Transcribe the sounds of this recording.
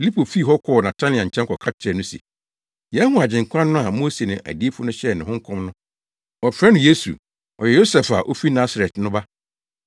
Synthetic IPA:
fi˨li˦pʰo˨fi˦˨ɦɔ˦kʰɔː˦˨nã˨tʰa˦nɪ̃˨ã˨ɲ̩˨t͡ɕʰɛ̃˦kʰɔ˨kʰa˦t͡ɕʰɛ˨nʊ̃˦sḭ˨ | jɛ˦hũ˦a˨d͡ʑɪ̃˨ŋ˨kʰʷã˦nː˦nʊ̃˦a˨mo˦se˨nʊ̃˨ʔæ̰˨di˦e˦fʊ˦nʊ̃˦ɕɛ˦˨nɪ̃˨hʊ̃˦ŋ˦kʰɔ̃˦mnʊ̃˦ | ɔ˨fɾɛ˦nʊ̃˦je˦sṵ˨ | ɔ˨jɛ˨jo˦sɛ˨fa˨ʔo˦fi˦nã˦sa˨ɾɛ˨tnʊ̃˦ba˦

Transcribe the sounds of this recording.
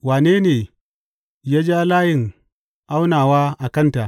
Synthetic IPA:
waː˨neː˦neː˨ | ja˦d͡ʒa˦laː˦jɪ˨ŋ | ʔa˦wnaː˨waː˦ʔa˨kɐ˦nta˨ʔ

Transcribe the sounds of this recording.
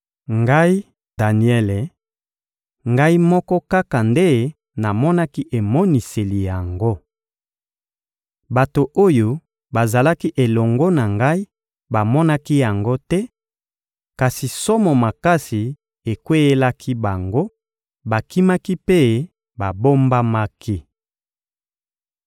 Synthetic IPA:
ŋɡa˦i˦ | da˨ni˨ɛ˦le˨ | ŋɡa˦i˦mɔ˦kɔ˦ka˦ka˨nde˦ | na˨mɔ˦na˦ki˦ʔe˨mɔ˦ni˨se˨li˨ja˨ŋɡo˦ | ba˨to˨ʔo˦jo˨ | ba˨za˨la˦ki˦ʔe˨lɔ˨ŋɡo˦na˨ŋɡa˦i˦ | ba˨mɔ˦na˦ki˦ja˨ŋɡo˦tɛ˦ | ka˨si˨sɔ˦mɔ˨ma˨ka˦si˨ | e˨kwe˦je˦la˦kʰi˦ba˨ŋɡo˦ | ba˨ki˦ma˦ki˦pe˦ | ba˨bo˦mba˦ma˦ki˦

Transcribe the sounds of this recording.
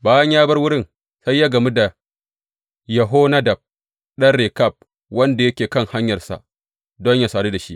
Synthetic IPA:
baː˦jɐ˦ɲjaː˦bɐ˦rwʊ˦ɽɪ˦n | sa˦jːaː˦ɡɐ˨mi˦da˨ | jɐ˨ɦoː˦na˦da˨b̚ | ɗɐ˦rɽe˨ka˦˨p̚ | wɐ˦nda˨jɐ˦kʲeː˨kɐ˦˨ŋha˦ɲjɐ˨rsa̰˨ | dɔ˦ɲja˦saː˨ɽeː˦da˨ʃi˦ʔ

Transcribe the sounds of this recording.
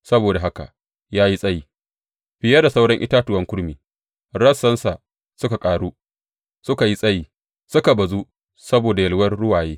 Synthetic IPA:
sɐ˦boː˨da˨ɦa˦ka̰˨ʔ | jaː˦ji˦sʼɐ˦jiː˨ | ɸɪ˨jɐ˦da˨sa˦wɽɐ˦ŋʔɪ̰˦taː˦tʊ˨wɐ˦ŋkʷʊ˦ɽmiː˨ | ɽɐ˦sːɐ˦nsa˨ | sʊ˦ka˨kʼaː˨ɽuː˦ | sʊ˦ka˨ji˦sʼɐ˦jiː˨ | sʊ˦ka˨bɐ˨zu˦ | sɐ˦boː˨da˨jɐ˨lwɐ˦rɽʊ˦waː˨jeː˦

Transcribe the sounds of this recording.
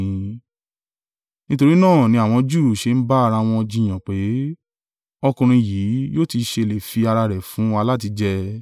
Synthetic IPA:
nĩ˦to˧ɾi˦nãː˦˨nĩ˧a˨w̃ɔ̃˧d͡ʒu˦˨ʃe˨˧n̩˦ba˦a˧ɾa˧w̃ɔ̃˧d͡ʒĩ˧j̃ã˨k͡pe˨˦ | ɔ˧kũ˧ɾ̃ĩ˧jiː˨˦joː˦ti˧ʃe˧le˨fi˧a˧ɾa˧ɾɛ˨fũ˨˦a˧la˦t̬i˧˦d͡ʒɛ˧

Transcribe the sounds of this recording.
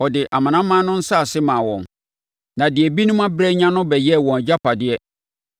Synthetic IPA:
ɔ˨dɪ˨ʔa˨mã˨nã˦mːãː˦nʊ̃˦n̩˦sa˦˨sɪ˦mãː˨wɔ̰̃˨n | nã˨dɪ˨ɛ˨bi˦nʊ̃˦mã˦bɾɛ˦ɲã˦nʊ̃˦bɛ˨jɛ˦˨wɔ̃˨n˨d͡ʑa˦pʰa˨dɪ˦ɛ˦

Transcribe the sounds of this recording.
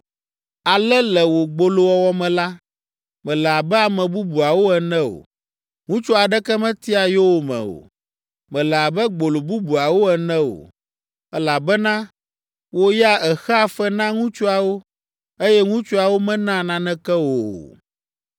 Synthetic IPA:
a˨lɛ˦lɛ˨wo˨ɡ͡bo˨lo˨wɔ˨wɔ˦mɛ̃˨la˦ | mɛ̃˨lɛ˨a˨bɛ˦a˨mɛ̃˨bu˦bu˨a˨wo˦ɛ˨nɛ̃˦o̰˨ | ŋũ˦t͡ʃɔ˦a˨ɖɛ˦kɛ˦mɛ̃˦t̪i˦a˨jo˦wo˨mɛ̰̃˨o̰˨ | mɛ̃˨lɛ˨a˨bɛ˦ɡ͡bo˨lo˨bu˦bu˨a˨wo˦ɛ˨nɛ̃˦wo̰˨ | ɛ˦la˨bɛ˦nã˦ | wo˦ja˦ɛ˨xɛ˦a˨fɛ˦nã˦ŋũ˦t͡ʃo˦a˨wo˦ | e˦jɛ˦ŋũ˦t͡ʃɔ˦a˨wo˦mɛ̃˦nã˦˨nã˦nɛ̃˦kɛ˦wo˨o̰˨

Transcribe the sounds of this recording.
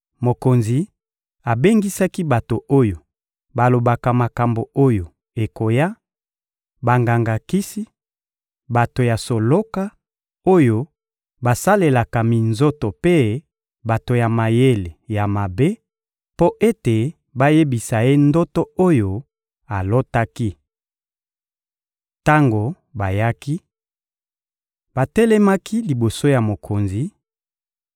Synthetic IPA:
mo˨ko˨nzi˨ | a˨be˦ŋɡi˦sa˦ki˦ba˨to˨ʔo˦jo˨ | ba˨lo˨ba˨ka˨ma˨ka˨mbo˨o˦jo˨ | e˨ko˨ja˦ | ba˨ŋɡa˨ŋɡa˨ki˦si˦ | ba˨to˨ja˨so˨lo˦ka˦ | o˦jo˦ | ba˨sa˦le˨la˨ka˨mi˨nzo˦to˨pe˦ | ba˨to˨ja˨ma˨je˦le˨ja˨ma˨be˦ | po˦ʔe˦te˨ | ba˦je˦bi˨sa˨e˦ndo˦to˦o˦jo˨ | a˨lo˦ta˦ki˦ | ta˦ŋɡo˨ | ba˨ja˦ki˦ | ba˨tɛ˦lɛ˦ma˦ki˦li˨bo˨so˦ja˨mo˨kʰo˨nzi˨

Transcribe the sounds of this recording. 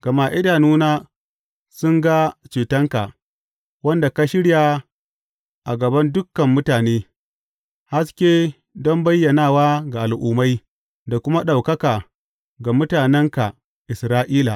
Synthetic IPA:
ɡ̥ɐ˨maː˦˨ʔɪ˦daː˨nuː˦naː˦ | sʊ˦ŋɡa˦t͡ʃeː˨tɐ˦ŋka˨ʔ | wɐ˦nda˨ka˦ʃɪ˦ɽja˨ | ʔa˨ɡɐ˨bɐ˦ndʊ˦kːɐ˨mːʊ˦taː˨neː˦ | ha˦skʲeː˦ | dɔ˦mbɐ˦jːɐ˨naː˦˨waː˦ɡa˨ʔa˨lʔuː˨ma˦j | da˨kʷʊ˦ma˦ɗa˨wkɐ˦kaː˨ | ɡa˨mʊ˦taː˨nɛ˦ŋka˨ | ʔɪ˨sɾaː˦ʔiː˦la˨

